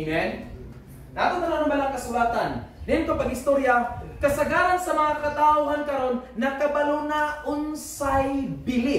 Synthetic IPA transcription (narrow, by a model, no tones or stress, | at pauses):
mɛn | naːt̪onɐnaɾoŋmɐlaŋkɐsʊlaːt̪ɐnnɪnk̪opɐɡɪst̪oɾjakɐsɐɡaːɾɐnsɐmɐŋakɐt̪aʊɦankɐɾo̞nːɐkɐbɐlonaʔʊnsajbɪlɪ